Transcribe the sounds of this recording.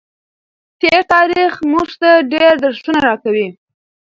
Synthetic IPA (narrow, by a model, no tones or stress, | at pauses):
t̪eɾt̪ɑɾixmuʐt̪aɖeɾd̪aɾsunaɾɑkawi